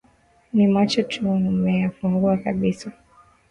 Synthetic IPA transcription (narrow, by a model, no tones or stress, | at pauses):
nimat͡ʃɔtʰumɛjafuŋɡuakaɓisa